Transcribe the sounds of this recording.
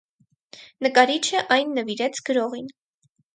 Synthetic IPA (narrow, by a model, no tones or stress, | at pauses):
nəkɑɾit͡ʃʰəʔɑjnːəviɾɛt͡sʰɡ̥əɾɔʁin